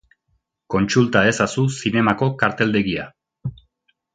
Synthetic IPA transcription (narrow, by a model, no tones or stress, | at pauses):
ko̞nt͡sult̪ae̞sasusine̞mako̞kaɾt̪e̞ld̪e̞ɣia